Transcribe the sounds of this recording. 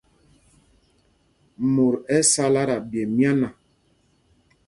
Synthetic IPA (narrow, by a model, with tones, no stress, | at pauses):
mo˨ɾɛ˦sa˦la˦ɾa˨bjɛ˨mja˦na˨